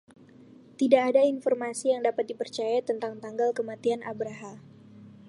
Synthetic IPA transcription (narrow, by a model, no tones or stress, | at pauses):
t̪idaʔːdainfɔrmasijaŋdapat̪̚dipərt͡ʃajat̪ənt̪aŋt̪aŋɡalkəmat̪ianʔabɾaɦam